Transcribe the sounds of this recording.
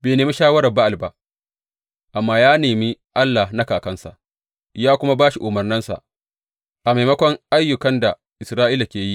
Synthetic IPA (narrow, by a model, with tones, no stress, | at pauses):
beː˨neː˨mi˦ʃaː˦wɐ˦ɾɐ˨ba˦ʔa˨lba˨ʔ | ʔa˨mːaː˦jaː˦neː˨mi˦ʔa˦lːa˨hnɐ˦kaː˨kɐ˦nsa̰˨ʔ | jaː˦kʷʊ˦ma˦baː˦ʃi˨ʔʊ˨mɐ˨rnɐ˦nsa̰˨ʔ | ʔa˨ma˨jmɐ˦kʷɔ˦ŋʔa˦jːʊ˨kɐ˦nda˨ | ʔɪ˨sɾaː˦ʔiː˦la˨kʲeː˨ji˦ʔ